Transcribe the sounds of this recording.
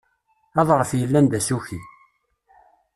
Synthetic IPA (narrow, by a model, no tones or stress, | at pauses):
ɑðˤʁəfjəlːænd̪æsuçi